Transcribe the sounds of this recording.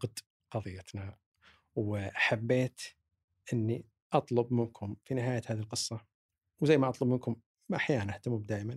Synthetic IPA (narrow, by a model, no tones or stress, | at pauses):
qd̪ | qɑðˤɨjːat̪na | wħabːeːt̪ | ʔɪnːi | ʔɑt̪ˤlʊbmɪnkʰʊmfinɪɦaːjat̪haːðilqɨsˤːɑ | wzajːmaʔɑt̪ˤlʊb̚mɪnkʊm | maʔaħjaːnanʔaht̪amubd̪aːʔman